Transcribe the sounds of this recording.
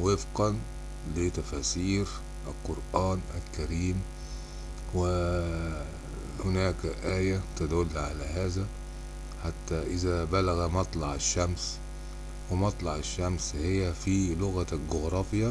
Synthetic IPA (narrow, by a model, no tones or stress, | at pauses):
wɪfqɑn | lɪt̪æfæːsiːɾ | ʔalqoɾʔaːnʔalkæɾiːm | wɪ | hʊnæːkʔæːjæt̪ad̪ʊlːʕalæɦaːzæ | ħat̪ːæʔɪzæbælaɣæmɑt̪ˤlɑʕɪʃːæms | wɪmɑt̪ˤlɑʕaʃːæmshɪjːæfilʊɣælɡʊɣɾˤɑːfja